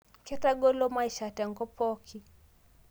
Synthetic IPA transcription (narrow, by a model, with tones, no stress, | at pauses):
kɛ˦ta˦ɡɔ˦lɔ˦ma˦iʃa˨tɛ˨ŋɡɔ˦pɔkʰi˨